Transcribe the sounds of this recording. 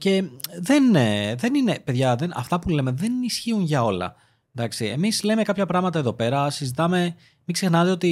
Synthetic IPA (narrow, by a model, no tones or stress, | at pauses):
ce̞ðe̞nðe̞nine̞pe̞ðʝɐðenɐ̰ft̪ɐpule̞me̞ðe̞nisçiunʝɐo̞lɐ̰ | nd̪ɐksiḛmizle̞me̞kɐpçɐpɾɐɣmɐt̪ɐe̞ðo̞pe̞ɾɐsizit̪ɐme̞ | miksexnɐt̪eo̞t̪i